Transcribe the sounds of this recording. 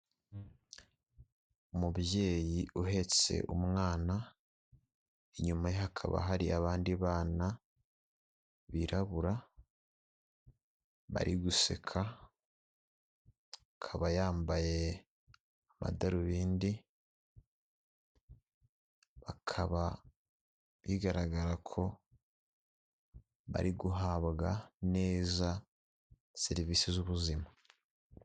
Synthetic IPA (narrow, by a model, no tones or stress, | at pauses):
umuβje̞ːjiʔuɦe̞t͡se̞̰ʔumŋaːna | eɲumajohakʰa̰βa̰ɦaɾiaβaːndiβaːna | βiɾaβuɾa | βa̰ɾʔiɡuse̞̰kʰa | kʰaβajaːmbaje̞ | ama̰daɾuβiːndi | βakʰaβa | βiɡaɾaɡaɾakʰo̞ | βa̰ɾiɡuɦaβɡane̞ːza | se̞ɾiviːsizuβuzima